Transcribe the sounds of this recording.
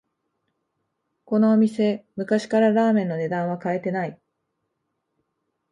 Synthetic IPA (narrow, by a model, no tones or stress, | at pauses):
ko̞no̞ːmʲise̞mɯ̟kaɕi̥kaɾaɾaːmẽ̞nːo̞ne̞d̪ãɰ̃βakae̞t̪e̞nai